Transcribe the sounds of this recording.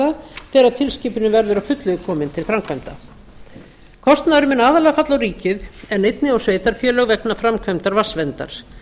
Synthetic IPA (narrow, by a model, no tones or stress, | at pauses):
aθɛːɾat̪ʰɪlsciːpʏnʏvɛɾðʏɾawfʏt̪lʏɣʏkʰɔːmɪnt̪ʰɪlfɾamkʰvajmt̪a | kʰɔst̪naðʏɾʏmɪnːaːðalɛːɣafat̪lawɾiːcɪðɛnːejt̪nɪawsveːjt̪aɾ̥fjœːlœɣvɛknafɾamkʰvœjmt̪aɾvasvɛnt̪a̰ɾ̥